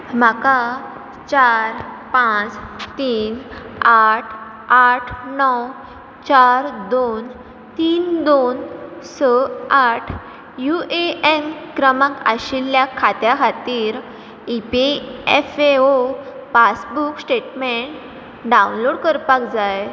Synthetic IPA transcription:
m̤aka | t͡ɕaɾpãt͡st̪iːnaʈʰ | aʈʰnɔw | t͡ɕaɾd̪on | t̪iːnd̪onsəaʈʰ | jueenkɾəmaka̰ɕiljakʰːat̪jakʰat̪iːɾ | ipeefeo | pasbuksʈeʈmeɳʈ | ɖawunloɽkəɾpakd͡zaj

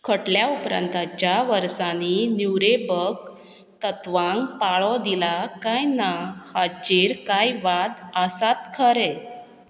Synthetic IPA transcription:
kʰəʈljaupɾa̰nt̪at͡ɕjaʋəɾsaninjuwɾebəɡ | t̪ət̪ʋãŋɡpaɭɔd̪ilakajnahad͡ʑiɾkajʋad̪əsat̪kʰəɾɛ

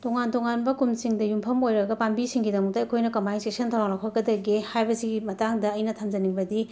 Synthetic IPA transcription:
toŋantoŋanbɐkumsiŋdɐjumpʰɐmojɾɐɡɐpambisiŋɡidɐmɐk̚tɐɐjkʰojnɐkɐmajnstesɐntʰawaŋlakʰɐɡɐdɐɡehajbɐsiɡimɐtaŋdɐːjnɐtʰamd͡ʒɐniŋbɐdi

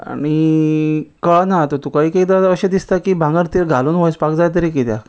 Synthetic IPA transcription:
a̰ɽ̃i | kəɭnat̪ot̪ukaɦiːket̪aəɕẽd̪ist̪akibʱãŋɡəɾt̪iɾɡʱaluːnʋojspakd͡zajt̪̬əɾikit̪ja̰

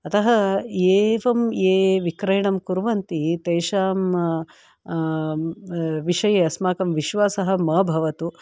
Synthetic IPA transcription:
ɐt̪ɐɦɐeːʋɐmeːʋikɾɐjɳɐmkuɾʋɐnt̪it̪eːʃaːm | ʋiʃɐjɐɐsmaːkɐmʋiʃʋaːsɐɦɐ̆mɐbʱɐʋɐt̪u

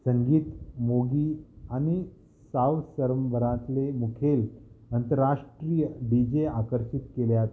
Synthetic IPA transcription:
səŋɡiːt̪moɡiːañi | saʋsəɾəmbʱəɾãt̪lemukʰelənt̪əɾaʂʈɾijəɖid͡ʑeakəɾɕit̪keljat̪

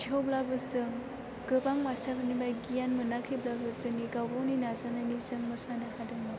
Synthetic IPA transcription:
d͡ʒioblabɯzɯ | ɡ̥ɯbaŋmastaɾanimajɡijanmɯnakʰiblabɯzɯniɡabɔninazanɐnizɯŋmɐsanahadɯŋi

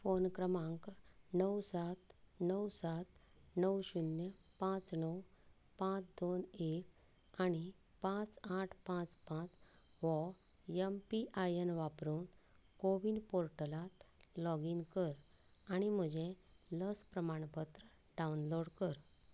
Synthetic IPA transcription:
fonkɾəmãŋknəwsat̪nəwsat̪ | nəwɕunjə | pãt͡snəw | pãt͡sd̪onek | aɽ̃i | pãt͡saʈʰpãt͡spãt͡s | ʋɔ | jəmpiʔajenʋapɾuːn | koʋinpoɾʈəlat̪lɔɡiŋkəɾ | aɽ̃im̤əd͡ʑẽləspɾəmaɳ̃pət̪ɾə | ɖaunloɽkəɾ

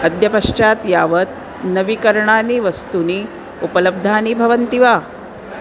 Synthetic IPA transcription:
ɐd̪jɐpɐʂt͡ʃaːt̪jaːʋət̪̚ | nɐʋikɐɾɳaːniːʋɐst̪uni | upɐlɐb̚d̪ʱaːnibʱɐʋɐnt̪iʋa

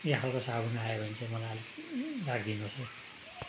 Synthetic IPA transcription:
jeɦalkosabʱunajobʱʌnt͡sʰʌmʌlaʌlrakʰd̪inose

